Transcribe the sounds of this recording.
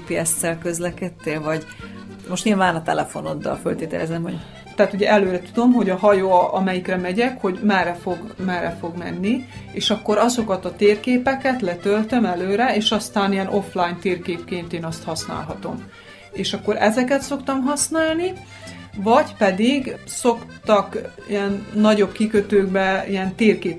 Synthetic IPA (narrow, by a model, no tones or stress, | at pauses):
piɛsːɛlkøzlɛkɛt̪ːeːlvɒɟ | moʃt̪ɲiːlvaːnɒt̪ɛ̰lɛfo̞nod̪ːɒ̰lfølt̪eːt̪ɛ̰lɛ̰zɛmho̞̰ɟ | t̪ɛaːt̪uɟɛʔɛløːɾɛt̪ud̪o̞mɦo̞ɟɒɦɒjoːɒmɛjikrɛmɛɟɛkho̞ɟmɛrːɛfo̞ɡmɛrːɛfo̞ɡmɛ̰nːieːʃɒkːo̞ɾɒzo̞kɒt̪ɒt̪eːrkeːpɛkɛt̪lɛt̪ølt̪ømɛløːɾɛeːʃɒst̪aːnijɛnʔo̞flaːjnt̪eːrkeːpkeːnt̪eːnɒst̪hɒsn̪a̰ːlɦɒt̪o̞̰m | eːʃɒkːo̞ɾɛzɛkɛt̪so̞kt̪ɒmɦɒsnaːlni | vɒɟpɛd̪iɡso̞kt̪ɒkḭjɛnːɒɟo̞bkikøt̪øːɡbɛijɛnt̪eːrkeːp